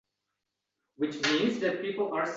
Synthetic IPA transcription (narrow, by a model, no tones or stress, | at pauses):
wɪt͡ʃmĩːnzðæt̚piːpəl̩ˠaɹs